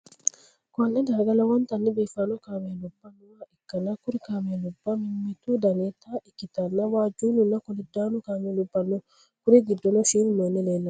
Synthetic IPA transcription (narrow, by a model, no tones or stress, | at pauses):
kɔnːɛd̪aːɡɐlɐwɔnt̪ɐnːibiːfanɔkaːmelɔbːanwaʔɪkːɐnakʊɾɪkamelɔbːamɪmːɛt̪ud̪ɐnet̪aʔɪkːɪt̪ɐnːɐwaːd͡ʒuːnunakɔlid̪ːaːnukaːmelubːɐnːo | kʊɾiɡid̪ːɔnɔʃiːnumanːɛleːnːa